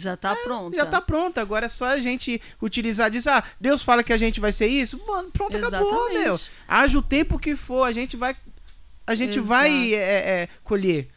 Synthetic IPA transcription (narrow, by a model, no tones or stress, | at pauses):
ʒat̪aɾõʒat̪apɾõnt̪ɐaɡɔɾɐɛsɔɐʒẽnt͡ʃɪ | ut͡ʃilizad͡ʒisɪad̪ewsfalɐkɪaʒẽnt͡ʃɪvajseɾisʊmɐ̃nʊpɾõt̪ɐkabomewa̰ʒɐʊt̪ẽpʊkɪfoɾɐʒẽt͡ʃɪvaj | ɐʒẽnt͡ʃɪvajɛɛɛkoʎe